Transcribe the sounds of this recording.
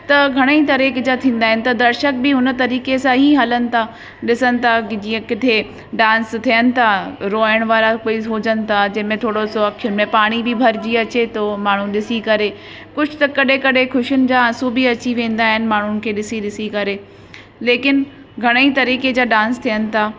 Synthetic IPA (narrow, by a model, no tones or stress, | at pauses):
t̪ɐɡʱɐɽ̃əit̪ɐɾiːked͡ʑaːt̪ʰĩːnd̪aːɦɪnɪ̆t̪ɐd̪ɐɾʃək̚bɪɦʊnət̪ɐɾiːkesãɦiɦɐlənɪ̆t̪ʰa | ɗɪsənɪ̆t̪ʰad͡ʑiːə̃kɪt̪ʰe | ɖãːnst̪ʰijənɪ̆t̪ʰaɾoːəɽ̃ʋaːɾakoːiɦoːd͡ʑənɪ̆t̪ʰad͡ʑɐ̃ɦɪ̃mẽt̪ʰoːɽosoɐkʰjʊnɪmẽpaːɽ̃ibɪbʱɐɾd͡ʑiɐt͡ɕet̪omaːɳ̤ũɗɪsikɐɾe | kʊd͡ʑʱʊt̪ɐkɐɗekɐɗekʰʊʃjʊnɪ̆d͡ʑaːɐ̃subiɐt͡ɕiʋẽːn̆d̪aːɦɪnɪ̆maːɳ̤ʊnɪ̆kʰeːɗɪsiɗɪsikɐɾe | leːkɪn | ɡʱɐɽ̃əit̪ɐɾiːked͡ʑaːɗãːnst̪ʰijənɪ̆t̪ʰaː